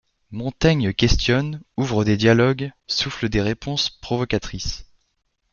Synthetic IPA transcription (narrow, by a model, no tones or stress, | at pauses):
mɔ̃t̪ɛɲəkʲɛst̪jɔnuvʁəd̪ed̪jalɔɡsufləd̪eʁepɔ̃spχɔvɔkʲat̪χis